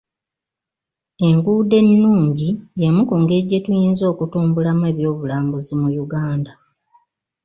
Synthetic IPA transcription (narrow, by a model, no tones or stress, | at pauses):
e̞ŋɡuːde̞nːuːɲɟijemukuːŋɡe̞ɟːe̞tujiːnzo̞ːkutuːmbulamwe̞ːβjo̞ːβulaːmbuzimujuɡaːnda